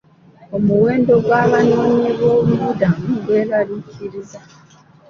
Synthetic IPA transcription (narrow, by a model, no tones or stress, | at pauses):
o̞muwe̞ːndo̞ɡwaːβano̞ːɲeβwo̞ːβuβudamɡwe̞ːɾaliciɾiza